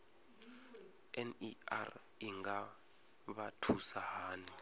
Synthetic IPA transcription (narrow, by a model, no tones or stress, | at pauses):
ɛnia̰r | iŋɡa | ɓatʰusaɦaːni